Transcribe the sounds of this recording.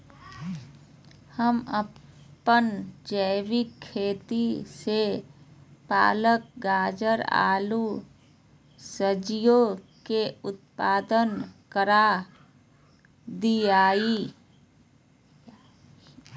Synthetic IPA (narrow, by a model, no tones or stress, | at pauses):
həmə | ənd͡ʒəɪwikʰːeːt̪ise | pa̰ːlək̚ɡaːd͡ʒəɾa̰ːlu | səd͡ʒijo | keʊt̪̚paːd̪ənkəɾa | d̪iaːi